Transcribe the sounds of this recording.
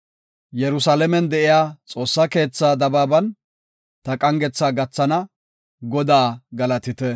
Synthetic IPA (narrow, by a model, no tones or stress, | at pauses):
jɛɾʊsalɛmɛnd̪ɛʔɪjaːt͡sʼo̞ːsːɐke̞ːt͡sːaːd̪ɐbaːbɐn | t̪ɐkʼɐŋɡɛt͡sːaːɡɐt͡sːɐnɐ | ɡɔd̪aːɡɐlɐt̪ɪt̪ɛ